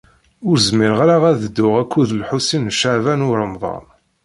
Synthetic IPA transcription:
ʊɾzmiɾʁɾaʁæðəd̪ːʊʁækʷːuðəlħusinʃaʕvænʊɾˤəmðˤɑ̰n

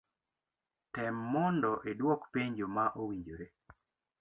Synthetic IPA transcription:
tɛmːɔndɔʔedwɔkpeɲd͡ʒomaʔowiɲd͡ʒoɾe

